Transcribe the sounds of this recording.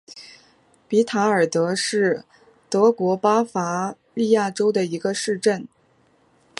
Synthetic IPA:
pi˧˥t̪ʰa˧˥ə˞˨˩t̪ɤ˧˥ʂɻ̩˥˩ | t̪ɤ˧˥kwɔ˧˥pa˥fa˧˥li˥˧ja˥˩ʈ͡ʂo˥ʊd̪ə˨i˧˥ɡə˧ʂɻ̩˥˧ʈ͡ʂə˥˩n

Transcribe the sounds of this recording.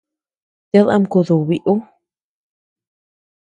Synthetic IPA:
t̪e˧˦ða̰˧mku˨ðu˨βi˨ʔu˦

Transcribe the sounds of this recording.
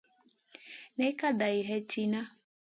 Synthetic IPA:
nɛ˦ka˦da˨i˨ɦɛ˦tʰi˦na˦

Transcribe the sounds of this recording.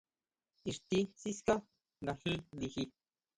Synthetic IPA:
i˨ɾt̪i˧si˦ska˦ | ŋɡa˨hĩ˦li˧hi˧

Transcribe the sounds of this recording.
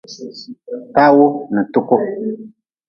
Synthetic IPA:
ta˦wo˦nɨ˨tu˦kʊ˦

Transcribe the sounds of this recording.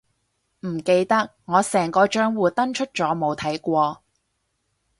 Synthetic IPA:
m̩˨˩ke˧jt̪ɐ˥k̚ŋɔː˨˧sɛː˨˩ŋkɔː˧t͡ʃœː˥ŋwuː˨˧t̪ɐ˥nt͡ʃʰɵ˥t̚t͡ʃɔː˨˥mo˨wt̪ʰɐ˨˥jkʷɔː˧

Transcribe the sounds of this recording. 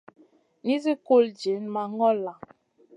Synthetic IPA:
ni˦zi˦ko˦˨ld͡ʒi˨˦nma˨ŋɔ˦la˨

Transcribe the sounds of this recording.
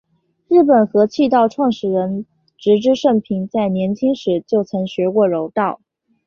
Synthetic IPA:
ɻɻ̩˥˩pə˨˩nxɤ˧˥t͡ɕʰi˥˧t̪ɑ˥˧ʊʈ͡ʂʰwɑ˥˩ŋʂɻ̩˨˩ɻə˧˥n | ʈ͡ʂɻ̩˧˥ʈ͡ʂɻ̩˥ʂə˥˩ŋpʰi˧˥ŋt͡sa˥˩ɪnjɛ˧˥nt͡ɕʰi˥ŋʂɻ̩˧˥t͡ɕjo˥˩ʊt͡sʰɤ˧˥ŋɕɥɛ˧˥kwɔ˥˩ɻo˧˥ʊt̪ɑ˥˩ʊ

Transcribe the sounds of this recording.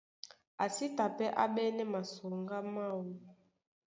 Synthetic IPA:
a˨si˦ta˨pɛ˦ʔa̰˦ɓɛ˦nɛ˦ma˨so˨ŋɡa˦ma˦˨wo˦

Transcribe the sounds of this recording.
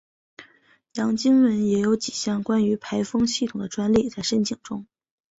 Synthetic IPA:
jɑ˧˥ŋt͡ɕi˥ŋwə˧˥njɛ˧˥jo˧˥ʊt͡ɕi˨˩ɕjɑ˥˩ŋkwa˥ny˧˥pʰa˧˥ɪfɤ˥ŋɕi˥˩tʰʊ˨˩ŋd̪ə˦ʈ͡ʂwa˥nli˥˧t͡sa˥˩ɪʂə˥nt͡ɕʰi˨˩ŋʈ͡ʂʊ˥ŋ

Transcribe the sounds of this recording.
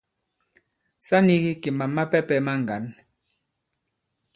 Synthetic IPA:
sa˦ni˦ɣi˦ki˨ma˨mːa˦pɛ˦pɛ˦ma˦ŋ˨ɡa˨˦n

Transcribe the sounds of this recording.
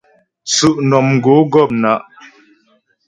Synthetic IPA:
t͡sʉ˨ʔnɔ˨mŋ̩˨ɡo˨˦ɡɔ˦˨p̚na˨˦ʔ

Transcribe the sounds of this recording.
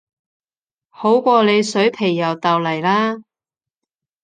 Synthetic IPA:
ho˨˥wkʷɔː˧le˨˧jsɵ˨˥jpʰe˨˩jːɐ˨˩wt̪ɐ˨wlɐ˨˩jlaː˥

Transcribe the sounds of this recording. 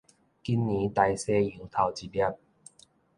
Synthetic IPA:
ki˦nːĩ˨˦t̪a˧jse˦ĩ˨˦t̪ʰa˧˩wt͡ɕi˧lja˦˧p̚

